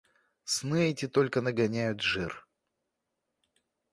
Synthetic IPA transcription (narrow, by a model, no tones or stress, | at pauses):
snɨɛtʲɪt̪o̞lʲkənəɡɐnʲæjʊt̪ʐɨr